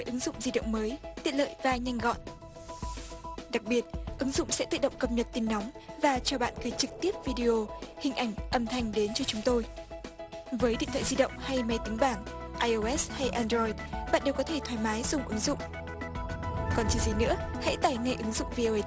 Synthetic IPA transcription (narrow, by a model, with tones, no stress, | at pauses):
ə˨˦jʔɨ˨˦ŋzʊ̰˧˨ŋ͡mzi˧ɗə̰˧˨ŋ͡mməː˨˦jt̪i˧˨ət̚lə̰ː˧˨jvaː˨˩ɲa˧jŋ̟ɣɔ̰˧˨n | ɗa˨˩k̚ɓi˨˩ət̚ʔɨ˨˦ŋzʊ̰˧˨ŋ͡msɛ̰˧˥t̪ɨ̰˧˨˩ɗə̰˧˨ŋ͡mkə˨˧˩p̚ɲə˨˩t̚t̪i˨˧˩nːɔ˨˦wŋ͡mvaː˨˩t͡ɕɔ˧ɓa̰ː˧˨nɣəː˨˦jt͡ɕɨ˨˩k̚t̪i˦˥əp̚vi˧ɗi˧ʔo˧hï˨˩ŋ̟ʔa˧˩jŋ̟ʔə˨˧˩mt̪ʰa˨˩jŋ̟ɗe˨˦nt͡ɕɔ˧t͡ɕʊ˨˦ŋ͡mt̪o˧j | vəː˨˦jɗḭ˧˨t̪ʰwaː˧˨zi˧ɗə̰˧˨wŋ͡mha˧jma˨˧˦jt̪ï˨˦ŋ̟ɓaː˧˩ŋ | ʔaː˧jʔo˧ʔɛ˦˥sha˧jʔaː˧ndɾɔ˧jtɓa̰ː˧˨nɗe˨˩wkɔ˨˦t̪ʰe˧˩t̪ʰwaː˨˦jmaː˨˦jzʊ˨˩ŋ͡mʔɨ˨˦ŋzʊ̰˧˨ŋ͡m | kɔ˨˩nt͡ɕi˨˦zi˨˩nɨ̰˧˥əha̰˧˥jt̪aː˧˩jŋa˧jʔɨ˨˦ŋzʊ̰˧˨ŋ͡mvi˧ʔo˧ə˧